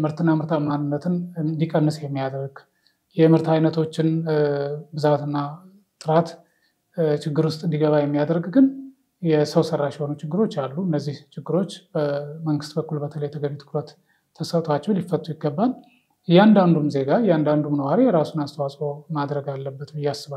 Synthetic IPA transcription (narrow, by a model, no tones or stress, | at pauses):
mɨɾt̪ʰɨnːamɨɾt̪ʰamanːɨnːət̪ʰɨnɨnd̪ikʼənːɨsjɛmːijad̪ɾəɡ | jɛmɨɾt̪ajnət̪ʰo̞t͡ʃːɪn | bɨzat̪ɨnːa | t̪ʼɨɾat̪ | t͡ʃʰɪɡːɨɾwʊst̪ʼɨnd̪iɡəβajɛmːijad̪ɾəɡɡɨn | jɛsəwsəɾːaʃho̞nut͡ʃʰɪɡːɨɾo̞t͡ʃːalːuɨnːəzːiht͡ʃʰɪɡːɨɾo̞t͡ʃːbəməŋɡɨst̪bəkːulbət̪ʰələjɛt̪ʰəɡəɲːut̪ʰɨ̥kʰɾət̪ʰː | əsət̪ʰat͡ʃːɛwlifːət̪ʼːujɪɡːəbːal | jɛand̪and̪umze̞ɡajɛand̪and̪umnəwaɾijɛɾasunast̪ʰəwasʼo̞mad̪ɾəɡalːəbːət̪bɨjːasːɨβal